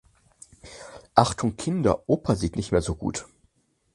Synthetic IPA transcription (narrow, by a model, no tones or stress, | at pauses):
ʔaχtʰʊŋkʰɪndɐ̰ʔoːpʰɐziːtnɪçtmeːɐzoːɡṵːt